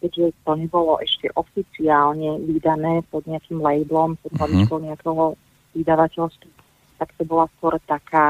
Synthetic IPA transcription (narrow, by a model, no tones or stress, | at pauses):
kɛɟʒɛt̪ɔɲɛbɔlɔʔɛʃcɛʔɔfit͡siaːlɲɛʋid̪anɛːpɔd̪ɲɛakiːmlɛjblɔmpɔd̪ɦlabit͡ʃkɔʊɲɛakɛɦɔ | ʋid̪aʋacɛlst̪ʋu | t̪akt̪ɔbɔlaskʊɔɾɛt̪akaː